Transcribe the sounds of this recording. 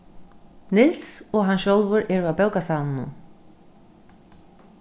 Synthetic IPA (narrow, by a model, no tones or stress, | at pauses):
nɪlssɔɣɦanʃjowlvʏɾʔɛɾʏapɛwkasaːnnːṵn